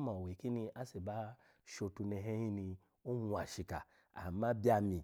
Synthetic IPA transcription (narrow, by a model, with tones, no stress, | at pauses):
mã˨we˨ki˦nĩ˧a˦se˨ba˦ | ʃo˧tu˧nɛ˧ɦɛ˦ĩ˦nĩ˧ | o˦nu˧a˨ʃi˧ka̰˨ | a̰˨˦mã˦bi˦a˧mĩ˧